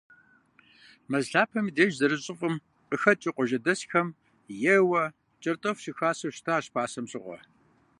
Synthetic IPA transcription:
mɐzɬaːpʰɐmideːʒzɐɾɨɕʼɪfʼɨm | qəxɐt͡ʃʼiqʷʼɔʒɐdɐsxɐm | jɛwɐ | t͡ʃʼɐrtʼɐfɕɪxaːsɐwʃtʰaːɕpʰaːsɐmɕʼɪ̰ʁʷɔ̰

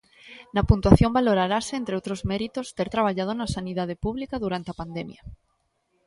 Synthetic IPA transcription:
napunt̪waθjombaloɾaɾaseent̪ɾeowt̪ɾozmeɾit̪ost̪eɾt̪ɾaβ̞aʎað̞onasanið̞að̞epuβ̞likaðuɾant̪eapand̪emja

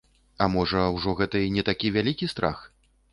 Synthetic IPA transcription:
ɐmɔʐɐwʐɔɣɛt̪ɐinʲɛt̪akʲivʲalʲikʲist̪ɾa̰x

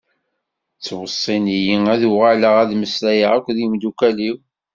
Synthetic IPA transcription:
t͡sːwəsˤːinijiŋæðuʁaləʁæðməslæjəʁækʷːðimd̪ukæliw

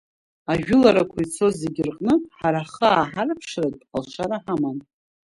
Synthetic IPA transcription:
aʒᶣʊlaɾakʷʰajt͡sʰo̞zeɡʲɪrqʼnɨħaɾaχəaːħarpʰʂratʼalʃʷʰaɾaħaman

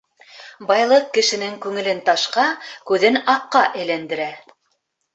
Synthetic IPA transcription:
bɑjlˠɤq̚kɘ̆ʃɘ̆nɘŋkʉŋɘ̆lɘnt̪ɑʃqɑkʉðɘnɑqːɑʔɘ̆jlænd̪ɘ̆ɾæ

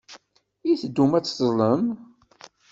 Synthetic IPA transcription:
iθd̪ːumæt͡sːzləm

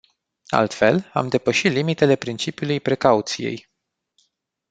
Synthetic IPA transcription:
a̰lt̪fe̞la̰md̪e̞pəʃit̪limit̪e̞le̞pɾint͡ʃipiulujpɾe̞kaut̪sije̞̰j

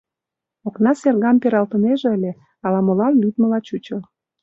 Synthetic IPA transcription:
oknɑserɣɑmpeɾɑlt̪əneʒĕəlʲe | ɑlɑmolɑnlʲyd̪mə̆lɑt͡ɕut͡ɕəl

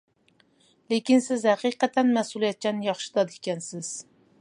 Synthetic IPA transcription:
lekʲinsɪzhæqiqɛt̪ʰɛnmɛsulˠijɛt̪̚t͡ʃʰɛnjɑχʃi̥d̪ɑd̪ɪkʲʰɛnsɪz̥

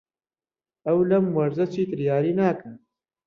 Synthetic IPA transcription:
ɐwlɐmwɐɾzɐt͡ʃʰiːt̪ɨɾjaːɾiːnaːkɐn

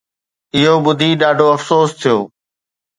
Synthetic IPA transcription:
ɪɦoɓʊd̪ʱiɗaːɖʱoɐfsoːst̪ʰijoː

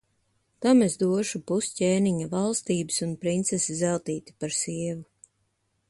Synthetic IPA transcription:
t̪amezd̪uɔʃupuscʲeːniɲavalˠst̪iːbɨsunpɾint̪sesizɛlˠt̪iːt̪ʲi̥paɾsiɛvu

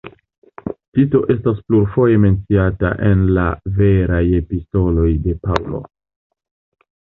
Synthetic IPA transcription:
tito̞ʔe̞staspluɾfo̞je̞me̞nt͡siata̰ʔe̞nlave̞ɾaje̞pisto̞lo̞jde̞paulo̞̰

